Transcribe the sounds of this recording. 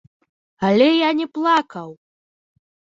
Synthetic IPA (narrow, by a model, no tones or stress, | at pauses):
alʲɛjanʲɛplˠakɐw